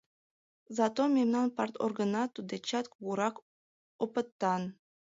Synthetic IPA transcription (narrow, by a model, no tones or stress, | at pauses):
zɑt̪omʲemnɑnpɑrt̪ʰo̰rɡənɑt̪ud̪et͡ɕɑt̪kβuɾɑk | opət̪ːɑn